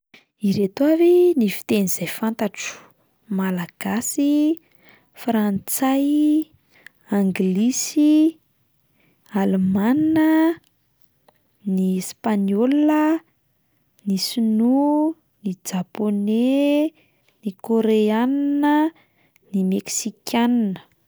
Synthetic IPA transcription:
iɾet̪oavenifi̥t̪eniz̥ajfant̪aʈ͡ʂu̥ | malaɡ̥asi | frant͡saj | aŋɡlisi | alemaninə | nispaɲolə | nisinu | nid͡ʒapone | nikoɾeannə | nimeksikʲʰannə̥

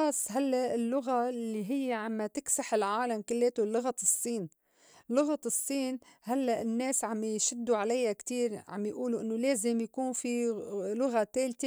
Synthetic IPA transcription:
ɑsˤːɦalːaʔʔɪlːʊɣalːiɦɪjːɪʕamːat̪ɪksaħɪlʕaːlamkɪlːeːt̪ulːʊɣasˤːiːn | lːʊɣaɨsˤːiːnhalːaʔɪnːeːsʕamʃɪd̪ːuʕalajːakt̪iːɾʕa̰mjʔuːluʔɪnːʊleːzɪmjakuːnfilʊɣat̪eːlt̪e

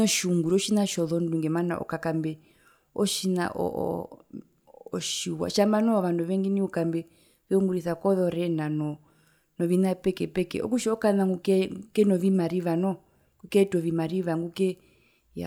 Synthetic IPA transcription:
ɔʃuŋɡuɾɔʃinaʃɔðɔnduŋɡɛmana̰ʔɔ̰kakambɛ | ɔʃina̰ʔɔ̰ʔɔ̰ | ʃiwa̰ʃambanɔɔʋanduʋɛŋɡiniukambɛ | βɛuŋɡuɾiθakɔðɔɾɛnanɔ | nɔʋinapɛkɛpɛkɛ̰ɔ̰kuʃiɔkanaŋɡukɛukɛnɔʋimaɾiʋanɔ | ŋɡukɛtɔʋimaɾiʋaŋɡukɛ | ja̰

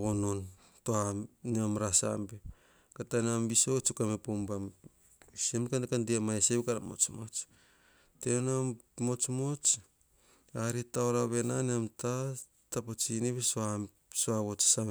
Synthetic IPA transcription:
ɣonon | toaniamɾasa̰mbe | katanambisot͡ʃukamepombam | semkankandiamaeseβkaɾamo̞̰t͡ʃmo̞t͡ʃ | teona | mo̞t͡ʃmo̞t͡ʃ | aɾitaoɾaβe̞naneamta | tapot͡ʃiniβesoa | soaβot͡ʃsaβ

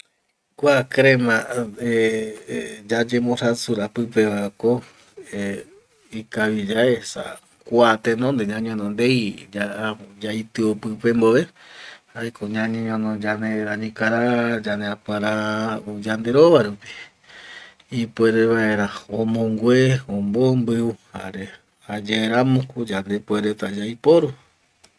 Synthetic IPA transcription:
kʷakɾemã | d͡ʒad͡ʒẽmõɾasuɾapɨpe̞βaeko | e | ikaʋid͡ʒaesa̰ | kʷat̪ẽnõnd̪eɲãɲõnõnd̪ejd͡ʒad͡ʒajt̪ɨopɨpe̞mboʋe | aekoɲãɲɲõnõd͡ʒaneɾaɲĩkaɾad͡ʒaneapwaɾaud͡ʒand̪e̞ɾoβaɾupi̥ | ipweɾeβaeɾaõmõŋɡʷeõmbombɨuha̰ɾe | ad͡ʒeeɾamõkud͡ʒand̪epweɾet̪ad͡ʒajpoɾu

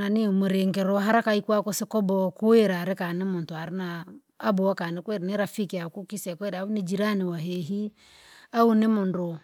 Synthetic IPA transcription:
nanimuɾeŋɡɛɾɔɦaɾakaikwakosɪkɔbɔkueɾaɾɪkanɪmʊntʊaɾɪnaː | bɔwakanɪkweɾneɾafikakukisɛkweɾaunid͡ʒiɾanɪwaɦeɦi | aunɪmʊndʊ

